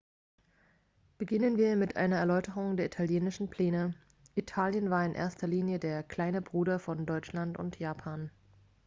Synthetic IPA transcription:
b̥əɡɪnənviːɐmɪtʔa̰ɪnɐɛɐlɔʏtəʁ̞ʊŋdeːɐʔitʰaljeːnɪʃn̩pʰl̥ɛːnə | ʔitʰaːljənvaːɐɪnʔḛːɐstɐliːnjədeːɐkʰl̥aɪnəbʁuːdɐfɔndɔʏt͡ʃlantʊ̰ntʰjaːpʰaːn

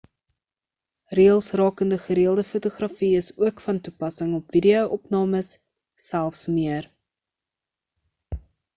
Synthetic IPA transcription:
riəlˠsrɑːkəndəχəɾiəlˠdəfutuχrɐfiəsuəkfɐntupɐsəŋɔpv̥idioʔɔpnɑːməsː | ælˠfsmiər

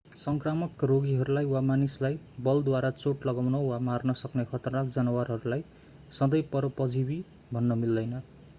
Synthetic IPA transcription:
sʌŋkramʌkroɡiɦʌɾulajwamanislaj | bʌld̪waɾat͡soʈlʌɡawnʌwamarnʌsʌknekʰʌt̪rʌnak̚d͡zʌnʌwarɦʌɾulaj | sʌd̪ʌjpʌɾʌpʌd͡zibi | bʱʌnːʌmild̪ʌjnʌ

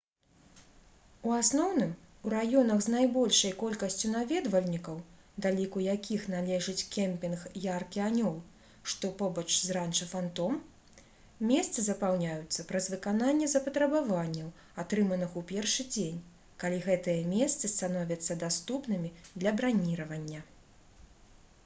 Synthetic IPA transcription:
uasnɔwnɨm | uɾajɔnɐɣznajbɔlʲʂɐjkɔlʲkɐsʲt͡sʲun̪avʲɛd̪vɐlʲnʲikɐw | d̪alʲikujakʲʰixn̪alʲɛʐɨt͡sʲkʲɛmʲpʲinxjarkʲianʲɔw | ʂt̪ɔpɔbɐt͡ʂzrant͡ʂɐfant̪ɔm | mʲɛst̪sɨzɐpawnʲajut̪sːɐpɾɐzvɨkananʲːɛzɐpɐt̪ɾɐbavanʲːɐw | at̪ɾɨmɐnɨxupʲɛrʂɨd͡zʲenʲ | kalʲiɣɛt̪ɨjɛmʲɛst̪sɨst̪anɔvʲɐt̪sːɐd̪ast̪upnɨmʲid̪lʲɐbɾanʲiɾɐvɐnʲːɐ

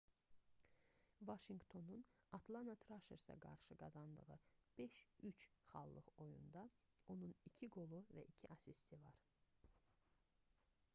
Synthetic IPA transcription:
vɑʃiŋɡt̪ʰo̞nunɑt̪ʰlˠɑnɑt̪ʰɾɑʃeɾsɑ̰ɡɑ̰ɾʃɯɡɑzɑnd̪ɯʁɯb̥eʃyt͡ʃχɑ̰lˠːɯχo̞jṵnd̪ɑ | o̞nunicʰiɡo̞lˠuvæʔicʰiʔɑsist̪ivɑɾ

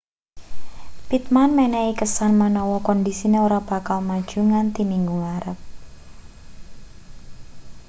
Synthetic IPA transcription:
pit̪̚manmɛnɛikəsanmanɔwɔkɔndisineoɾab̥a̤kalmad̥ʒ̥uŋant̪imiŋɡuŋaɾəp̚

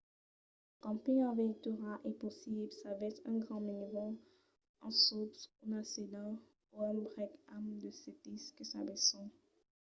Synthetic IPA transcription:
kɑ̃piɲɑ̃vɛt̪yʁaʔɛposiblsavɛsɛ̃ɡʁɑ̃minvɔ̃ | ɑ̃sopsunased̪ɑ̃ | oɔmbʁɛkamd̪əset̪iskəsabɛsɔ̃

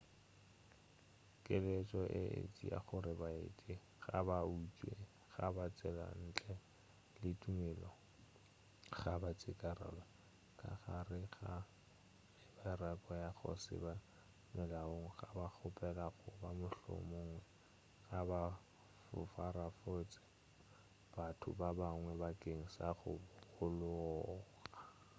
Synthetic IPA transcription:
kʼɪlet͡ʃʼɔʔɪʔḛt͡sʼia̰χʊɾɪbaet͡sʼɪ | ɣa̰baut͡ʃʼwe | ɣabat͡sʼɛla̰n̩t͡ɬʼɛ | lɪtʼumɛlɔ | χabat͡sʼɪkʼara̰la | kʼaχarɪχa | ɪbarakʼɔjaχɔ̰sɪ̰ba | mɪlaoŋ̩ɣabak͡xʰʊpʼɛlaɣʊbamʊɬɔ̰mʊŋwɛ | ɣaba | fʊ̰farafot͡sʼɪ̥ | b̥atʰʊ̰babaŋwɛbakʼeŋ̩saχʊ̰bʊʊlʊɔɔːɣa

